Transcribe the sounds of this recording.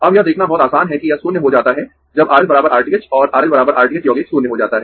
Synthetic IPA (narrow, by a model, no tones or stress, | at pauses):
ɐbjɐɦd̪eːkʰnabɔːɔt̪aːsaːnɦɛkijɐsuːnjəɦod͡ʒaːt̪aɦɛ | d͡ʒɐbaːɾəlbɐɾaːbəɾaːɾʈiket͡ʃɔːɾʔaːɾəlbɐɾaːbəɾʔaːɾʈɪket͡ʃjɔːɡeːksuːnjəɦod͡ʒaːt̪aɦɛː